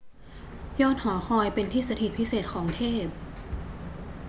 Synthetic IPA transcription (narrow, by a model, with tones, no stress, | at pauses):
jɔː˥˩t̪̚hɔː˩˦xʰɔː˧jpe˧nt̪ʰiː˥˩sa˧t̪ʰi˨˩pʰi˦˥seː˨˩t̪̚kʰɔː˩˦ŋt̪ʰeː˥˩p̚